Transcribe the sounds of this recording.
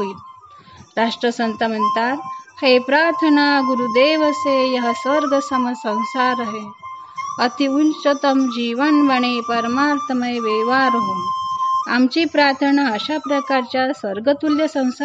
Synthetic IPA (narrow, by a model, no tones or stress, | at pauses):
it̪ | ɾaʂʈɾəsənt̪am̤ənt̪aɾhepɾaɾt̪ʰəɳaɡuɾud̪eːʋəsejəɦəsʋəɾɡəsəməsə̃w̃saɾəɦe | ət̪iunt͡ɕət̪əmd͡ʑiʋənbəɳ̃epəɾmaɾt̪ʰəməjeʋeʋaɾɦo | amt͡ɕiːpɾaɾt̪ʰəɳaəɕapɾəkaɾt͡ɕjasʋəɾɡət̪uljəsə̃w̃sa